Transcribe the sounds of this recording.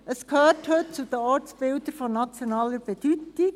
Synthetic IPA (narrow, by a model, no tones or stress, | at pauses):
ʔəskhøːrthɵt̚t͡sud̥̪əɔɾtt͡sb̥ɪld̪əɾfɔnɑt͡sjonɑːləɾb̥ɛd̥ytɪk